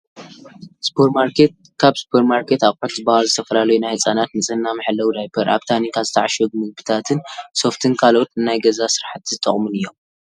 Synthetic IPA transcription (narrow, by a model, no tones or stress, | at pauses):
sɨ̥pʰeɾmaɾkʰet̪̚ | kʰaβsɨ̥pʰeɾmaɾkʰet̪aβħot̪zɨbahalzɨt̪ʰɐfɐlalɐjunajhɨsʼanat̪nɨt͡sʼɨnːamɨħɨlːɐwd̪ajpʰɐɾʔa̰βt̪ʰanikʰazɨt̪ʰaʕaʃɛɡ̚mɨɡ̚bɨt̪ʰat̪ʰɨnso̞ft̪ʰɨnkʰalo̞t̪ɨnajɡɐzasɨɾħat̪ʰzɨt̪ʼɐ̰χʼmɨnɨjːo̞m